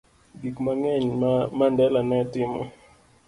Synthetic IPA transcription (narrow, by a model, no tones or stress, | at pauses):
ɡikmaŋɛɲmandɛlanɛtɪmɔ̰